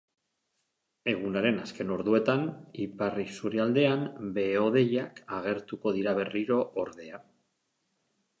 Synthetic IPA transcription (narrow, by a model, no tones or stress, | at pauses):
e̞ɣ̞unaɾe̞naske̞no̞ɾðue̞t̪aniparisuɾeald̪e̞ambe̞o̞ðe̞jakaɣ̞e̞ɾt̪uko̞ð̞iɾaβe̞riɾo̞ʔːɾðe̞a